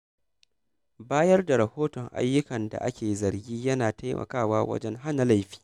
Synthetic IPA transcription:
baː˦jɐ˦rda˨ɾɐ˨hoː˦tɔ˨ŋʔa̰˦jːʊ˦kɐ˨nda̰˨ʔa̰˦kʲʰeː˨zɐ˨ɾɡʲiː˦jɐ˦naː˨ta˦jmɐ̰˨kaː˦˨waː˦wɐ̰˦d͡ʒɛ˦ŋɦa˦na˨la˦jɸi̥ː˦

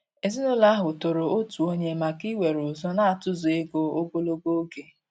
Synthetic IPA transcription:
e˨zi˦no˦la˦ɦʊ˨to˨ɾo˨o˦tu˨o˦ɲe˦ma˨ki˦we˨ɾʊ˨zɔ˦na˦a˨tʊ˦zʊ˨e˦ɡo˦o˦ɡo˦lo˦ɡo˦ɡe˨

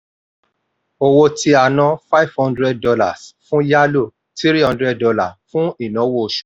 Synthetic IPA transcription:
o˧wo˧ti˧a˨nã˧fa˦i˦v̥hɔ̃˧ndɾɛ˦d̚dɔ˧la̰˦˨sfũ˦ja˦lo˦˨ | ti˦ɾi˦hɔ̃˧ndɾɛ˦d̚ɔ˧la˨fũ˦i˦˨nã˨˦wo˦˧ʃu̥˨

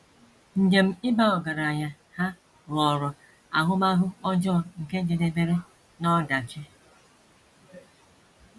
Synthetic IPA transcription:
n̩˨d͡ʒe˨m̩˦ɪ˦ba˦ɔ˨ɡa˨ɾa˨ɲa˨ | ha˦ | lɔ˨ɾɔ˨ | a̰˨ɦʊ˦ma˦ɦʊ˦ɔ˦d͡ʒɔ˦˨ŋ̩˨ke˦d͡ʒe˨de˦be˦ɾe˦ | nɔ˦da˨t͡ʃe˦

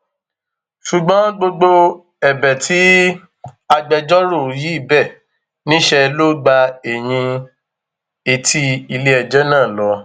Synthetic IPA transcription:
ʃu˨ɡ͡bɔ̃˨˦ɡ͡bo˧ɡ͡bo˧ | ɛ˨bɛ˨tʰi˦ | a˧ɡ͡bɛ˧d͡ʒɔ˦ɾo˦˨ji˨˦i˦˨bɛ˦˨ | nĩ˦ʃɛ˧lo˦ɡ͡ba˧e˨j̃ĩ˧ | e˨ti˧i˧le˧˦ɛ˨d͡ʒɛ˦nã˦˨lɔ˨˦

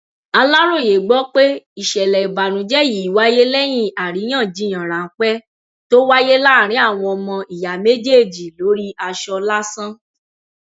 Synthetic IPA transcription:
a˧la˦ɾo˦˨je˨ɡ͡bɔ˦k͡pe˦i˨ʃɛ˨lɛ˨i˨ba˨nũ˨d͡ʒɛ˦ji˨wa˦je˦lɛ˦j̃ĩ˦˨a˨ɾi˨˦j̃ã˦˨d͡ʒĩ˨˦ã˨ɾa˨˦k͡pɛ˦ | to˦wa˦je˦la˦˨ɾ̃ĩ˨˦a˦˨w̃ɔ̃˧ɔ˧mɔ̃˧i˨ja˨me˦d͡ʒe˦˨d͡ʒi˨lo˨˦ɾi˦a˧ʃɔ˧la˦sã˦

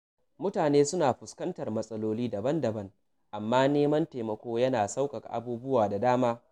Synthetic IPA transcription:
mʊ˦taː˨neː˦sʊ˦naː˨ɸʊ˨skɐ˦ntɐ˨rmɐ˦sʼɐ˦loː˦liː˦dɐ˨bɐ˦ndɐ˨bɐ˦ŋ | ʔa˨mːaː˦neː˦mɐ˦nteː˨mɐ˨kʷoː˦jɐ˦naː˨sa˦wkɐ˨ka˨ʔa̰˨buː˦bʊ˦waː˨da˨daː˦maː˦

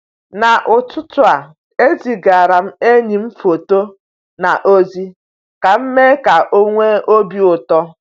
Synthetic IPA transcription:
na˨ʔʊ˨tʊ˦tʊ˨a˨ | e˦zi˨ɡa˨ɾa˨m̩˦e˦ɲi˨m̩˦fo˨to˦ | na˨ʔo˦zi˦ | ka˨m̩˦me˦ka˨ʔo˦ŋʷe˦o˦bi˦ʊ˨tɔ˦

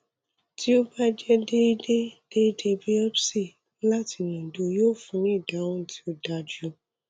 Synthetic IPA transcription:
ti˦o˦ba˦d͡ʒɛ˦de˦i˦de˦d̥e˦i˦de˧bi˦ɛ˦pse˦˨˦ | la˦ti˨˧˨nũ˨do˨˧joː˦˨fũ˧nĩ˦˨da˨˦wũ˦˨tʰi̥˦o˦da˧d͡ʒu˦

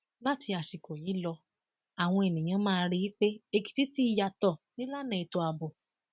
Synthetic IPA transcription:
la˦ti˧a˨si˨ko˨ji˨˦lɔ˧ | a˨w̃ɔ̃˧e˨nĩ˨j̃ã˧mãː˦˧˦ɾi˧ji˦k͡pe˦e˧ki̥˨ti˨˦ti˦i˧˦ja˨tɔ˨nĩ˦la˦nɛ̃˨i˨to˧a˧bo˨

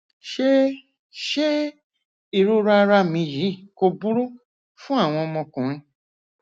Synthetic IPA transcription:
ʃe˦ | ʃe˦ | i˨ɾo˦ɾa˧ɾa˧mĩ˧ji˨˦˨ko˧bu˦ɾo˦ | fũ˦a˦˨w̃ɔ̃˧ɔ˧mɔ̃˧kũ˨ɾ̃ĩ˧

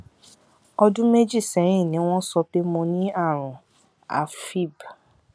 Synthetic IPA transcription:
ɔ˧dũ˦me˦d͡ʒi˦˨sɛ˨˦ɾ̃ĩ˦˨nĩ˨˦w̃ɔ̃˦sɔ˧pe˦mũ˧nĩ˦a˦˨ɾ̃ũ˨ | a̰˨fi˦˨b

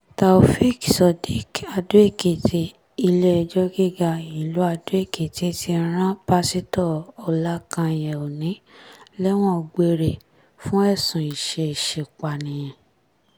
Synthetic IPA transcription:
ta˨o˨fi˦ksɔ˧di˦ka˧du˦e˦˨ke˨ti˦ | i˧le˦˧d͡ʒɔ˦ɡi˦ɡa˧i˨lu˨˦a˧du˦e˦˨ke˨ti˧˦tʰi˧˦ɾ̃ã˦ba˦si˦tɔ˦˨ɔ˧la˦kã˧j̃ɛ̃˨o˨nĩ˨˦lɛ˦w̃ɔ̃˦˧ɡ͡be˧ɾe˨ | fũ˦ɛ˦˨sũ˨i˨ʃe˧i˨ʃe˨k͡pa˨nĩ˨j̃ɛ̃˨

